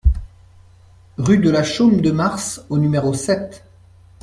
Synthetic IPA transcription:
ʁyd̪əlaʃomd̪əmaʁsonymeʁosɛt̪

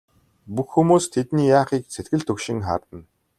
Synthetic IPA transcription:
puxːumuːst̪ʰet̪niːjaːχiːk̚t͡set̪ɡɘ̆ɮt̪ʰɵkʃɪ̆ŋχa̰ːrt̪ə̆n

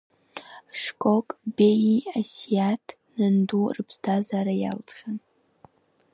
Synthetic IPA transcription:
ʂkʷʼokʼbejiasijatʰ | nɨndurɨpʰstʰazaɾaja̰lt͡sʼχʲan

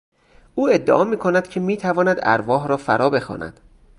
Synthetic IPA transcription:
uːe̞d̪ːḛʔɒːmiːkʰonæd̪cʰe̞miːt̪ʰævɒːnæd̪æ̰ɾvɒːɦɾɒːfæ̰ɾʔɒːbe̞xɒ̰ːnʔæ̰d̪̥

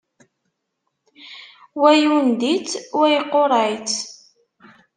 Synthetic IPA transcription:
wæjund̪it͡sːwæjqːoɾˤæjt͡s

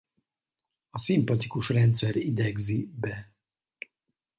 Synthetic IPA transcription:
ɒsimpɒt̪ikuʃrɛnt̪sɛɾid̪ɛɡzibɛ

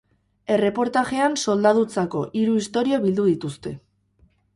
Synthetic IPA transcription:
e̞re̞po̞ɾt̪aʝe̞anso̞ld̪aðut͡sako̞ʔiɾuist̪o̞ɾioβild̪uðit̪ust̪e̞

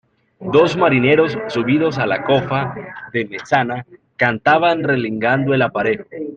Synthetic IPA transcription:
d̪o̞zmaɾine̞ɾo̞sːuβiðo̞s̬alako̞faðe̞mesanakant̪aβanre̞liŋɡand̪oe̞lapaɾe̞ð

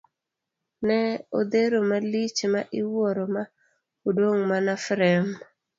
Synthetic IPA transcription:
nɛod̪eɾomalit͡ʃmaʔɪwoɾoma | odoŋmanafɾɛm

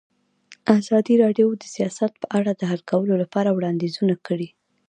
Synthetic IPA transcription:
azɑd̪iɾɑɖjowd̪əsijɑsat̪̚pəʔaɽad̪əɦalkawəlolapɑɾawɽɑnd̪ezunakəɽi

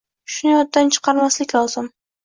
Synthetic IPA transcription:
ʃʊnɪjɒt̪̚ːant͡ʃʰɨ̥qʰɑɾmaslɪkʲlˠɒzɪm

